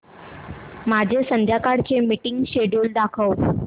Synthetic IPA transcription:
mad͡ʑʱesənd̪ʱjakaɽt͡ɕemiʈiŋɡɕeɖuːld̪akʰəw

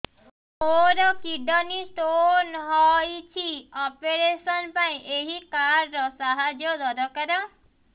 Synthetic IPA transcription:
oɾɔkiɖʱɔnist̪onɦɔjt͡ʃʰiɔpeɾesɔnpaĩʔeɦikaɾːɔsaɦad͡ʒjɔd̪ɔɾɔkaɾɔ

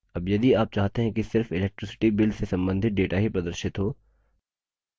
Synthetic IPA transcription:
ɐbjɐd̪iaːp̚t͡ʃaːɦt̪eɦɛ̃kisɪɾfɪlɛːk̚ʈɾɪsɪ̥ʈibɪlsesɐ̃mbə̃nd̪ʱɪt̪̚ɖeːʈaɦipɾɐd̪əɾʃɪt̪ɦoː

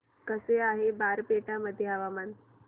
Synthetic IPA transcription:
kəseaɦebaːɾpeʈaməd̪ʱːjeɦaʋaman

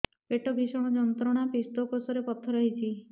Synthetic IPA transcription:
peʈɔbʱisɔɽ̃ɔd͡ʒɔnt̪ɾɔɽ̃apist̪okosɔɾepɔt̪ʰːɔɾɔɦit͡ʃʰi

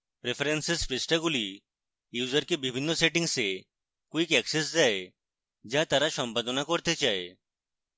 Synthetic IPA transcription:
pɾepʰɾensespɾɪsʈaɡuli | juːzəɾkebibʱinːɔseʈɪ̃ŋɡse | kuikɛkses̬d͡ʒae | d͡ʒat̪aɾaʃɔmpad̪ʱɔnakɔɾt̪et͡ʃae

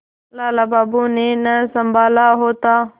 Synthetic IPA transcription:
laːlaːbaːbuːnẽːnəsəmbʱaːlaːɦoːt̪aː

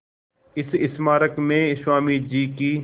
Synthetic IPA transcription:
ɪsɪsmaːɾəkmẽːɪswaːmid͡ʒiːkiː

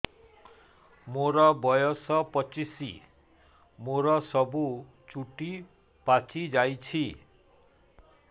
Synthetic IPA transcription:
moɾʌbɔjɔsʌpʌt͡sisḭ | moɾʌsʌbu | t͡ʃuʈi | pat͡sid͡ʒajt͡sʰi

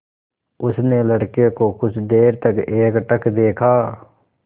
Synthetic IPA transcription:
ʊsneləɽkekokʊt͡ʃʰd̪eːɾt̪əkeːkʈəkd̪eːkʰaː

